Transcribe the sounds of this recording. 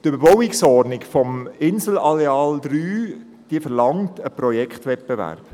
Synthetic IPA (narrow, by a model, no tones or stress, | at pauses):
tøbəɾbɔwɪksɔrnɪkfɔmɪnsl̩ɑleɑːldɾyː | d̥iəfəɾlɑŋtəpɾɔjɛkχtʋɛt̚b̥evæ̰ɾp